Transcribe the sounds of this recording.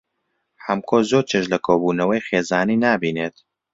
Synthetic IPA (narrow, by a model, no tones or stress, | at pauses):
hɐmkʰozoːɾt͡ʃʰeʃlɐkʰoːbuːnɐwɐjxeːzaːniːnaːbiːnet̪